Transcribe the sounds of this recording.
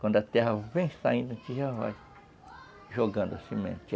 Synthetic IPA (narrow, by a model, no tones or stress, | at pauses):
kʷwɐ̃nd̪ʊat̪ɛɦɐvẽj̃st̪a̰ĩnd̪ɐ̃t͡ʃ̪iʒava̰j | ʒoɡɐ̃nd̪ʊasĩmḛ̃nt͡ʃ